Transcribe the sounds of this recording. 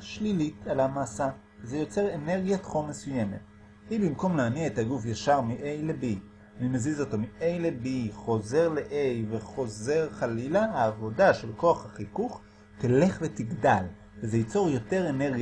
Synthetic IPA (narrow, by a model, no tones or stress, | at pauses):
ʃlilitalamaːsa | zejo̞t͡se̞ʁene̞ʁɡjatχonmesuje̞me̞̰t | ibimko̞mlaaniaethaɡufjaʃaʁmiʔe̞jlebi | animezizo̞to̞miʔe̞jlebiχo̞ze̞ʁleʔejveχo̞ze̞ʁχalilaaːvo̞daʃe̞lko̞aχhaχikuχ | tile̞χvetiɡdal | vezejit͡so̞ʁjo̞te̞ʁene̞ʁɡ